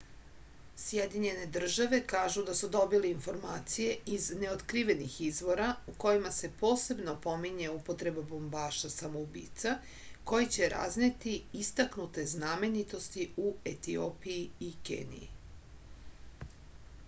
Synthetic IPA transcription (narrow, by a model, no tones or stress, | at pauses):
sjed̪iɲe̞ne̞d̪r̩ʒaʋe̞kaːʒud̪asud̪o̞biliinfo̞ɾmaːt̪sije̞izne̞ot̪kɾiʋe̞nixizʋo̞ɾauko̞jimase̞po̞ːse̞bno̞po̞miɲeupo̞t̪ɾe̞babo̞mbaːʃasamoubḭːt̪sa | ko̞jet͡ɕe̞ɾa̰znet̪iist̪aknut̪e̞zname̞nit̪o̞st̪iuet̪io̰piiikḛːnḭjḭ